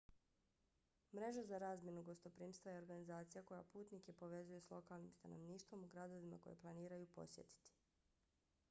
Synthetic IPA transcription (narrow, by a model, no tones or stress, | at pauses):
mɾe̞ʒazaɾaːzmjenuɡo̞st̪o̞pɾiːmst̪vajeo̞ɾɡanizaːt̪sijako̞ja̰puːt̪nike̞po̞ʋe̞zujeslˠo̞kalˠnḭmst̪ano̞̰ʋniːʃt̪ʋo̞muɡɾad̪o̞ʋima̰ko̞̰je̞̰plˠaniːɾajupo̞̰sje̞̰t̪i̥t̪i̥